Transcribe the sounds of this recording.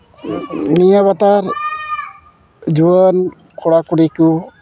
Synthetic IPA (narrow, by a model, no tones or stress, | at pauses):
nijaβat̪aɾ | d͡ʒuwən | kʰɔɽakuɽiku